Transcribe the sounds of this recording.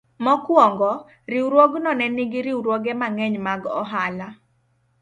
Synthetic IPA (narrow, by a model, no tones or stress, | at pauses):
mɔkwɔŋɡɔ | ɾiwɾwoɡnɔnɛniɡɪɾiwɾwoɡɛmaŋɛɲmaɡɔ̰ɦala